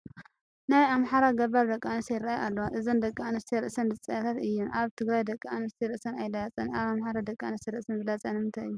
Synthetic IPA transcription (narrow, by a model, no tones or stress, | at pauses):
najamħaɾaɡɐβaɾd̪ɐkʼːanɐst̪ʰɐjɾaajʔalːɐwʔɨzɨnd̪ɐkʼːaanɨst̪ʰiɾɨʔsɐndɨt͡sʼɐt̪ʰat̪ɨjːuʔaβt̪ʰɨɡɾajd̪ɐkʼːaanɐst̪ʰiɾɨʔsɐnajlaat͡sʼɐnaβamħaɾad̪ɐkʼːaanɐst̪iɾɨʔsɐnzɨlat͡sʼɐnmɨnt̪ʰaɨjːu